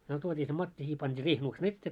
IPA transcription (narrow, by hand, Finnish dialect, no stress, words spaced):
myø tuotʲiː se mɑtːi siːh pɑntʲiː riːhenuksen etːeː